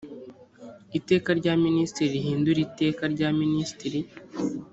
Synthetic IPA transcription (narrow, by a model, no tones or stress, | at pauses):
ite̞ːkaɾɟaːministiɾiɾiɦiːnduɾite̞ːkaɾɟaministiɾi